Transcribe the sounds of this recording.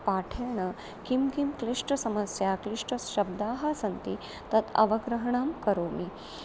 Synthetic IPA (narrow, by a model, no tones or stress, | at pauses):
paʈʰeɳɐ | kimkimkliʂʈəsɐmɐsjakliʂʈəɕɐb̚d̪aːɦɐsɐnt̪i | t̪ɐt̪ɐ̰ʋɐɡɾɐɦɳaːmkɐɾoːmi